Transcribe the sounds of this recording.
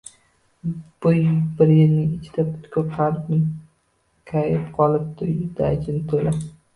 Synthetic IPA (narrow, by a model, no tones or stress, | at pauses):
b̥ʊjbɪɾjɪlnɪŋɪt͡ʃʰɪ̥d̪apʰʊ̥t̪kʰʲoqʰaɾpɪŋ | kʰajɪpqʰɒlˠɪp̚d̪ʊjd̪ad͡ʒʰɪnɪt̪ʰojlap